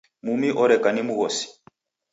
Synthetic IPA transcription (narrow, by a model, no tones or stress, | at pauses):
mumiʔɔɾɛkanimuɣɔsi̥